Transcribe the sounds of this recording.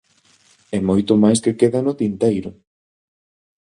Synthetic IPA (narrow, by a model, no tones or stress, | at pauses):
ɛmojt̪ʊmajskekeðanʊt̪int̪ejɾʊ